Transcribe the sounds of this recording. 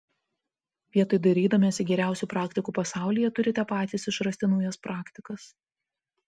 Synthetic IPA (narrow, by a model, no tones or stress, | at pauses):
ʋʲiɛt̪oɪd̪ɐɾʲiːd̪ɐmʲeːsʲɪɡʲɛɾʲæˑʊsʲuˑːpɾɑːkt̪ʲɪkuːpɐsɑˑʊlʲijɛt̪ʊɾʲɪt̪ʲɛpɑːt̪ʲiːsɪʃɾɐsʲt̪ʲɪnʊːjɛspɾʔɑːkt̪ʲɪkɐs